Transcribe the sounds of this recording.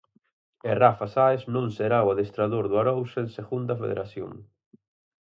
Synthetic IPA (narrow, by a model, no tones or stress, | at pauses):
erafasaesnõŋseɾawaðest̪ɾaðoɾðʊaɾowsenseɣund̪ɐfḛðḛɾʔaθjo̰ŋ